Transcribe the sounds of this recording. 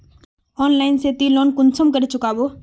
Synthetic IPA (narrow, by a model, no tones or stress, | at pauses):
ɔːnlaːɪnset̪iloːnkʊnsəmkəɾet͡ʃʊkaːboː